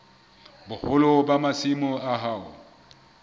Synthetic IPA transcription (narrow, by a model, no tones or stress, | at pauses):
bʊhʊlɔbamasimɔaɦaːʊ̰